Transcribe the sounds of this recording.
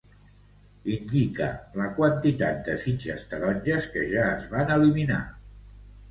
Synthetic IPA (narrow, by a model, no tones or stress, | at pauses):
ind̪ikə̰ləkwənt̪it̪at̪̚d̪əsit͡ʃəst̪əɾɔnʲʒəskəʒaəzβanəlimina̰